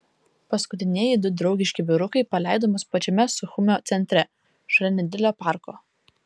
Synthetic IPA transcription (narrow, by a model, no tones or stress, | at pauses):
pɐskʊt̪ʲɪnʲiɛjɪd̪ʊd̪ɾɒʊɡʲɪʃʲkʲɪbʲɪɾʊkɐɪpɐlʲæˑɪd̪oːmʊspɐt͡ʃʲɛmʲɛsʊxʊmʲoːt̪sʲɛnʲt̪ʲɾʲɛ | ʒɾʲɛnʲɛd̪ʲɪlʲoːpɑˑɾko̰ː